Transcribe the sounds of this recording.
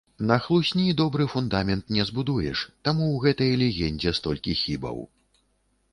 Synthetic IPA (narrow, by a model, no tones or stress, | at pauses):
nɐxlˠusʲnʲid̪ɔbɾɨfund̪amʲɛnt̪nʲɛzbud̪ujɛ̰ʂt̪amuwɣɛt̪ɐjɐlʲɛɣʲɛnʲd͡zʲɛst̪ɔlʲkʲixʲibɐ̰w